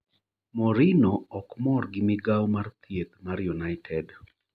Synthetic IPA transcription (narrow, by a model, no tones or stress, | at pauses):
mɔɾinɔɔkmɔrɡɪmɪɡawmart̪jet̪̚maɾjunajtʰɛd